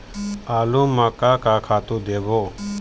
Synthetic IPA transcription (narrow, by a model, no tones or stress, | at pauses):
aːlũːmaːkaːkaːkʰaːt̪ũːd̪eːɡoː